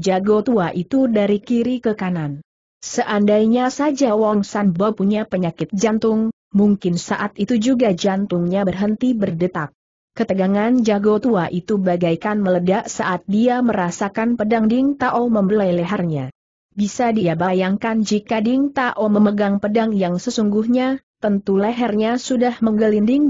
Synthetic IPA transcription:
d͡ʒaɡot̪uaʔit̪udaɾikiɾikəkanan | səʔandajɲasad͡ʒawɔŋsanbawpuɲapəɲakɪt̪̚d͡ʒant̪ʊŋ | muŋkɪnsaʔat̪it̪ud͡ʒuɡad͡ʒant̪uŋɲabərɦənt̪ibərdət̪akː | ət̪əɡaŋand͡ʒaɡot̪uaʔit̪ubaɡajkanmələdaʔsaʔat̪̚diaməɾasakanpədaŋdɪŋt̪aʔɔməmbolajlɛɦɛrɲa̰ | bisadiabajaŋkand͡ʒikadiŋt̪aʔɔməməɡaŋpədaŋjaŋsəsuŋɡuhɲat̪ənt̪uləɦɛrɲasudahməŋɡəlindɪŋ

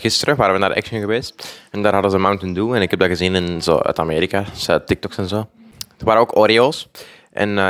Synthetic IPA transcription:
ɣɪstəɾəʋaːɾəʋənaːdəʔɛ̰ksnəɣəʋeːstɛndaːrɦɑdənzəmawntənduɛnɪkɦɛb̚daɣəzinɪnzo̰ːœ̰tameːɾikasɛtɪk̚tɔksɛnzoː | d̥ərʋaːɾəoːkoɾiolˠs | ʔɛ̰n

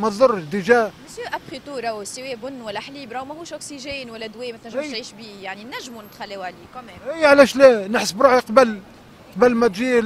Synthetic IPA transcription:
mæt̪zˤʊɾːd̪iʒæːməsjøʔæbχit̪uɾˤɑwsəwebʊnːwælːæħliːbɾˤɑwmæhuːʃʔʊksiʒeːnwælːæd̪weːmæt̪næʒmʃt̪ʕiːʃbiːjaʕninːæʒːmunət̪xælːeːwʕaliːkɑmɛːmijʕlæʃlænəħsəbɾuːħiqɑbəl | qɑbəlːmæt̪ʒiː

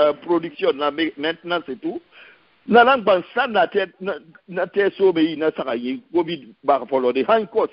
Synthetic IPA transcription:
pɾodiksjɔnːamemɛtnasetu | nanãŋɡ͡bansanːatɛna | natɛsomeinasakaɲĩkobidbakfɔlɔdehãɲkɔs

